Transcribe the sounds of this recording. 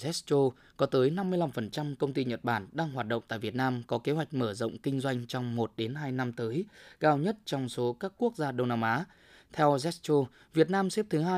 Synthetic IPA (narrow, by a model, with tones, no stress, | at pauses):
zɛ˦˥t͡ɕo˧ | kɔ˨˦t̪əː˨˦jna˧mːɨ˧əjla˧mfə˨˩nt͡ɕa˧mkə˧wŋ͡mt̪i˧ɲə˨˩t̚ɓaː˧˩nɗaː˧ŋɦwaː˨˩t̚ɗə̰˧˨ŋ͡mt̪a̰ː˧˨vi˨˩ət̚naː˧mkɔ˨˦ke˨˦ɦwa˨˩jk̟̚məː˧˩zə̰˧˨wŋ͡mkï˧ŋ̟zwa˧jŋ̟t͡ɕɔ˧wŋ͡mmo˨˩t̚ɗe˨˦nɦaː˧jna˧mt̪əː˨˦jkaː˧wɲə˦˥t̚t͡ɕɔ˧wŋ͡mso˨˦kaː˦˥kːu˦˥ək̚zaː˧ɗə˧wŋ͡mnaː˧mʔaː˨˦ | t̪ʰɛ˧wzɛ˦˥st͡ɕo˧ | vi˨˩ət̚naː˧msɛ˦˥p̚t̪ʰɨ˨˦ɦaː˧